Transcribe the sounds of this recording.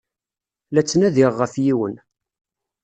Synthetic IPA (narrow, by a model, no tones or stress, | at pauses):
læt͡sːnæðiʁːəfjiwən